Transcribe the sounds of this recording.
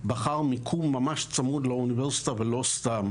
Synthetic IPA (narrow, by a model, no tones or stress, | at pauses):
baχaʁmikʰumːamaʃt͡samud̪launiveʁsi̥t̪avelost̪am